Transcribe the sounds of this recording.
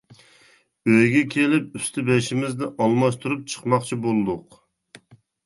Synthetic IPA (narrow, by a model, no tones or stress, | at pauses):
øjɡʲɛkʲʰelɪp̚yst̪ʰɪbɛʃɪmɪzd̪ɪʔɑlˠmɑʃt̪ʰuɾup̚t͡ʃʰə̥qmɑqt͡ʃʰibolˠɨd̪ʊq